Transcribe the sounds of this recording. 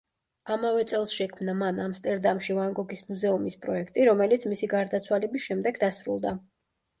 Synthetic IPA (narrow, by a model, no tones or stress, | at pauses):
amavɛt̪sʼɛlˠsʃɛkʰmnamanamst̪ʼɛɾd̪amʃivaŋɡɔɡismuzɛumispʼɾɔɛkʰt̪ʼiɾɔmɛlit̪sʰmisiɡaɾd̪at̪sʰwalɛbisʃɛmd̪ɛɡd̪asɾṵlˠd̪a